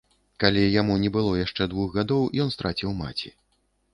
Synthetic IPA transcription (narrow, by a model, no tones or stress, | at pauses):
kalʲijamunʲɛbɨlˠɔjaʂt͡ʂɛd̪vuxɣad̪ɔwjɔnst̪ɾʔat͡sʲiwma̰t͡sʲḭ